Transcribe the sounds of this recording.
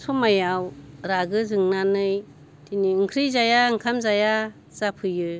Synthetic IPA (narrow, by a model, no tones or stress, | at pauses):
sɔmajawɾaɡɯzɯŋnanɯj | tʰiniɯŋkʰɾizajaɯŋkʰamzaja | z̥apʰɯjɯ